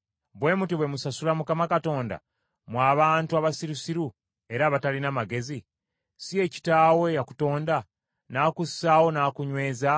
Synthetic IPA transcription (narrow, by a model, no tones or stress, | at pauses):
bwe̞ːmutiβwe̞musasulamukamakato̞ːnda̰ | mwaːβaːntuaβasiɾusiɾu | e̞ɾaβatalinamaɡe̞zi | sie̞ci̥taːwe̞jaku̥to̞ːnda | naːkusːaːwo̞naːkuɲwe̞ːza